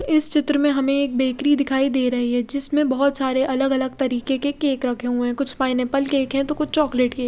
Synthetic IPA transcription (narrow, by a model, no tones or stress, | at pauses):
ɪst͡ʃɪt̪ɾəmẽɦɐmẽeːk̚beːkɾid̪ɪkʰaːid̪eːɾɐɦiɦɛːd͡ʒɪsmẽbɐɦɔt̪saːɾeʔɐləɡɐləɡ̚t̪ɐɾiːkekekeːkɾɐkʰeɦuɛ̃kʊt͡ʃʰpaːɪnepɐlkeːkʰɦɛ̃t̪okʊt͡ʃʰt͡ʃɔːkleːʈke